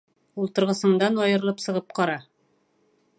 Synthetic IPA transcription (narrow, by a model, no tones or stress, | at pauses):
ulˠt̪ŏɤ̆ɾʁɤ̆sɤ̆ɴd̪ɑnɒjɤ̆ɾɤlˠɤpsɤ̆ʁɤp̚qɑɾɑ